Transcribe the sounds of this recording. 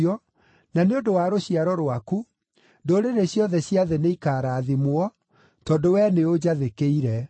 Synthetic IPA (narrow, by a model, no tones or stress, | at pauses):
ɔ | naneondowaːɾoɕiaɾɔɾwaku | ndoɾeɾeɕjɔðɛɕijaðeneikaːɾaːðimwɔ | tɔdowɛneod͡ʑaðekeiɾɛ